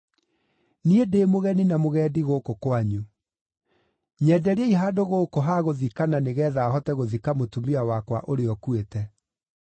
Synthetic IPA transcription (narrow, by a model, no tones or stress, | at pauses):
niedeːmoɣɛninamoɣɛːdiɣokokwaɲu | ɲɛːdɛɾeɛiɦaːdoɣoːkoɦaɣoðikananeɣɛːðaːɦɔtɛɣoðikamotumiawakwaʔoɾeɔkuetɛ